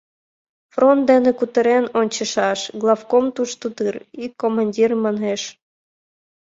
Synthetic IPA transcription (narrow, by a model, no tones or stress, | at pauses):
front̪̚d̪enĕkut̪ə̆ɾenonʲt͡ɕə̆ʃɑʃɡlˠɑfkomt̪uʃt̪ut̪ɯrikːomɑnʲdʲirmɑnɦeʃ